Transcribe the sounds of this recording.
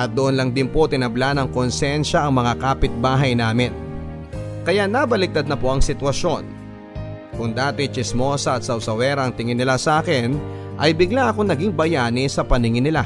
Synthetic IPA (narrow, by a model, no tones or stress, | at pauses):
ʔɐt̪̚d̪oʔonlɐŋd̪ɪnpo̞t̪ɪnɐblanɐŋkonsjɛnʃɐʔɐŋmɐŋakaːpɪt̪̚baːɦɐjnaːmɪn | kɐjaʔnabɐlɪk̚d̪ad̪̚nɐpo̞ʔɐŋsɪt̪wɐʃo̞n | kʊŋd̪aːt̪ɪt͡ʃɪsmo̞sɐːt̪̚sɐwsɐwɛɾɐɐŋt̪ɪŋɪnːɪlasɐʔaːkɛnʔɐjbɪɡlaʔɐkoŋnɐɡiŋbɐjaːnɪsɐpɐnɪŋɪnɪla